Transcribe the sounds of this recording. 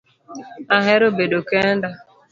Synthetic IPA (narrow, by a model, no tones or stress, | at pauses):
aɦeɾobedokenda